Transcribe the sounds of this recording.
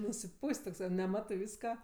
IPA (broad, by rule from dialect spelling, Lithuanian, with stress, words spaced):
nʊsʲɪˈpuːsʲtʲ toːkˈsɐɪ nʲɛˈmɑːtɜ ˈʋʲiːskɐ